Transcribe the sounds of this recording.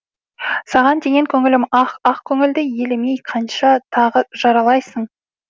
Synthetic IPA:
sɑʁɑnd̪e̞ɡʲe̞ŋkʲʰɵŋɪlɪmɑɑqkʲʰɵŋɪld̪ɪje̞lɪmejqʰɑnʃɑt̪ʰɑʁəʒ̥ɑɾɑlˠɑjsəɴ

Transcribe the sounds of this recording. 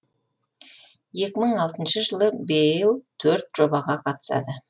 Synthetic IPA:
je̞kʲɪməɴɑlˠt̪ənʃəʒəlˠəbejɪlˠt̪ʰɵɾt̪ʒ̥o̞bɑʁɑqʰɑt̪ə̥sɑ̰d̪ə

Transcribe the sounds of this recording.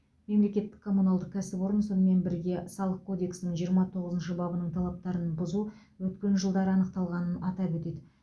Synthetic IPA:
me̞mle̞kʲe̞t̪ːɪ̥kʰːo̞munalˠd̪əq̚kʲʰæsɪpo̞ɾənso̞nəme̞nbɪɾɡʲe̞sɑlˠəq̚kʰo̞d̪e̞ksnɪɴʒijəɾmɑt̪ʰo̞ʁəzənʃəbɑbənəɴt̪ʰɑlˠɑp̚t̪ɑɾənbʊzu | wɵt̪̚kʲe̞nʒəlˠd̪ɑɾəɑnəqt̪ɑlˠʁɑnənɑt̪ɑpwɵt̪e̞d̪ɪ

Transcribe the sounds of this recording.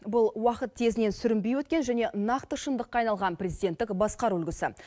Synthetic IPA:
bʊlˠwɑqət̪ːʰe̞zɪne̞nsʏɾɪmbejwɵt̪̚kʲe̞nʒæne̞nɑqt̪əʃənd̪əqːɑjnɑlˠʁɑnprʲezijd̪ʲe̞nt̪ːɪkbɑsqɑɾwɵlɡʲɪsɪ

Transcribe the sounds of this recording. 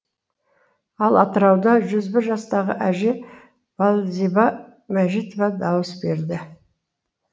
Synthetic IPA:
ɑlˠʔɑt̪əɾɑwd̪ɑʒʏzbɪɾʒɑst̪ɑʁə̰ʔæʒe̞ | v̥ɑlˠzibɑ | mæʒit̪ovɑd̪ɑwəsbe̞ɾd̪ɪ

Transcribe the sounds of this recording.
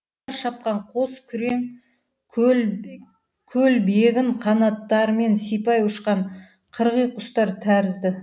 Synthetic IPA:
ɑɾʃɑp̚qɑɴqʰoskʲʰʏɾe̞ŋʰ | l | kʲʰɵlbeɡʲɪɴqʰɑnɑt̪ːɑɾme̞nsijpɑjʊʃqɑɴ | qʰəɾʁəjqʰʊst̪ɑɾt̪ʰæɾɪzd̪ɪ

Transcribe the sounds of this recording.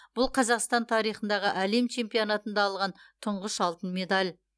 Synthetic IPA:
b̥ʊlˠqʰɑzɑqst̪ɑnt̪ʰɑɾijχənd̪ɑʁəʔæle̞mt͡ʃʰe̞mpijonɑt̪ənd̪ɑːlˠʁɑnt̪ʰʊɴʁəʃɑlˠt̪ənme̞d̪alʲ

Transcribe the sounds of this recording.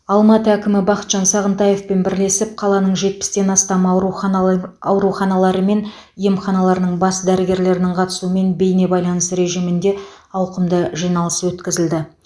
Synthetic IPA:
ɑlˠmɑt̪əækʲɪmɪbɑqə̥t̪ʒ̥ɑnsɑʁənt̪ɑje̞fpe̞nbɪɾle̞sɪp̚qʰɑlˠɑnəɴʒe̞t̪̚pɪ̥st̪e̞nɑst̪ɑmu | ɑwɾuχɑnɑlˠɑɾəme̞n | je̞mχɑnɑlˠɑɾənəɴbɑsd̪æɾɪɡʲe̞ɾle̞ɾɪnɪɴqʰɑt̪ə̥suəme̞nbe̞jne̞bɑjlˠɑnəsɾe̞ʒijmɪnd̪e̞ | ɑwqəmd̪əʒijnɑlˠəswɵt̪kʲɪzɪld̪ɪ

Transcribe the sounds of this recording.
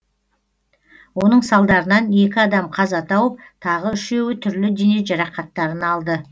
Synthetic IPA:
wo̞n̪əɴsɑlˠd̪ɑɾənɑne̞kʲɪɑd̪ɑmqʰɑzɑt̪ʰɑwəp̚t̪ʰɑʁəʏʃe̞wɪt̪ʰʏɾlɪd̪ene̞ʒɑɾɑqɑt̪ːɑɾənɑlˠd̪ə

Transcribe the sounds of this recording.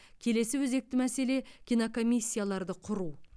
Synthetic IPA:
kʲʰe̞le̞sɪwɵze̞k̚t̪ɪmæse̞le̞kʲʰinoko̞mʲijsʲːijalˠɑɾd̪əqʰʊɾu

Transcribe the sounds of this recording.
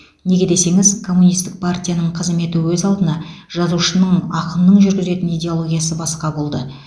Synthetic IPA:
ne̞ɡʲe̞d̪e̞se̞ŋɪzkʰo̞mːunist̪ɪk̚pʰartʲijanəɴqʰəzme̞t̪ɪwɵzɑlˠd̪ənɑ | ʒ̥ɑzuʃənəɴɑqənnəɴʒʏɾɡʲɪze̞t̪ɪnijd̪ʲe̞o̞lˠo̞ɡʲijasəbɑsqɑbo̞lˠd̪ə

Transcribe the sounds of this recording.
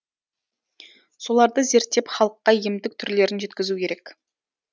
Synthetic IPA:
so̞lˠɑɾd̪əze̞ɾt̪ːe̞pχɑlˠəqːɑiemd̪ɪk̚t̪ʰʏɾle̞ɾɪnʒe̞t̪kʲɪzukʲʰe̞ɾe̞k

